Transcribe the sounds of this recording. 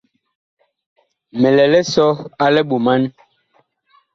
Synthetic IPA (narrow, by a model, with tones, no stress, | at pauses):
mɛ˨lɛ˨lɛ˦sɔ˦a˦lɛ˦ɓu˨ma˦n